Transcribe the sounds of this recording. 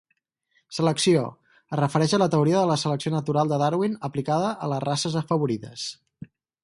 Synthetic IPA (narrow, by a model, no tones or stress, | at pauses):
sələksio̰ | ərəfəɾɛʃələt̪əuɾiəðələsələksionət̪uɾalˠd̪əðaɾwinəplikaðəʔələrasəzəfəβuɾiðə̰s